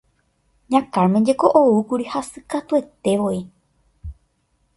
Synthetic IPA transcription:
ɲãkaɾmẽd͡ʒe̞ko̞ʔoukuɾihasɨkat̪ue̞t̪e̞ʋo̞i

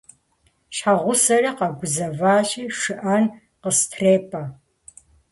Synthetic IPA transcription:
ɕħaʁʷʊsɐrɐqɐɡʷʊzɐvaːɕʼiːʂɨʔɐn | qəstʰreːpʰʼɐ

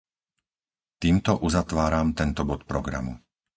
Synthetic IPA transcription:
t̪iːmt̪ɔʔuzat̪ʋaːɾamt̪ɛnt̪ɔbɔt̪pɾɔɡɾa̰mṵ

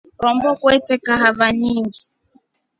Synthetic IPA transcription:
ɾɔmbɔkwɛtɛkaɦaβaɲiŋɡi

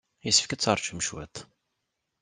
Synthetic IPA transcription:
jəsːəfkæt͡sːɑɾˤt͡ʃəmʃwæ̰t̪

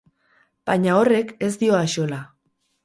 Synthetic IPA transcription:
b̥aɲao̞re̞ke̞zd̪io̞aʃo̞la

